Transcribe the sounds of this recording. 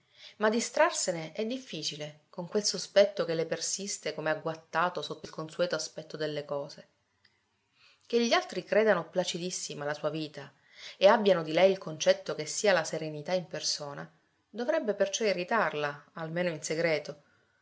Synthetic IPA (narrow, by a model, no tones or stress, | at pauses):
mad̪ːist̪ɾarseneʔɛd̪ːifːiːt͡ʃilekoŋkwelsospɛt̪ːokelːepersist̪ekomeaɡwat̪ːaːt̪osot̪ːoilkonsuɛːt̪oaspɛt̪ːod̪elːekɔːze | keʎːialt̪ɾikɾeːd̪anoplat͡ʃid̪isːimalasuːaviːt̪a | eabːjanod̪ilɛjilkont͡ʃɛt̪ːokesːiːalaseɾenit̪aimpersoːna | d̪ovɾɛbːepert͡ʃɔeɾit̪arlaalmeːnoinseɡɾɛːt̪o